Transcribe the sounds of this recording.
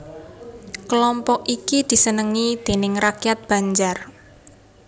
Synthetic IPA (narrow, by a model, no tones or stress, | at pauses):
kəlɔmpɔkikid̪̥i̤sənəŋid̪̥e̤nɪŋrakjat̪̚b̥a̤ɲd͡ʒar